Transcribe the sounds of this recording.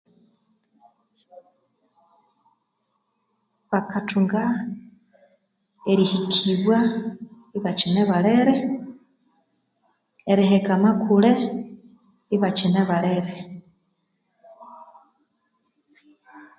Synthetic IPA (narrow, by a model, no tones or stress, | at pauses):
βakʰatuŋɡa | eɾihikʰiβwa | iβat͡ʃineβaleɾe | eɾiɦekamakule | iβat͡ʃineβaleɾe